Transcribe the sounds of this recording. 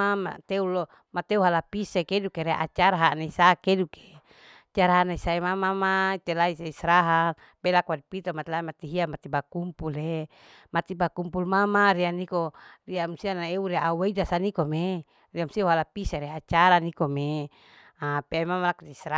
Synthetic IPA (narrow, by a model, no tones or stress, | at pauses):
ama̰t̪eulo | mat̪euɦalapisekedukeɾeʔa̰t͡ʃaɾaɦanaisakeduke̥ | t͡ʃaɾaɦaʔnaisaemamamait̪elaisaisɾaɦal | belakuadipit̪omat̪elaimat̪iɦiamat̪ibakumpule | mat̪ibakumpulmamaɾianikoriamsianaeuɾiaʔaweidasanikome | riamsiauɦalapiseɾeat͡ʃaɾanikome | apeamamlakut̪iisɾa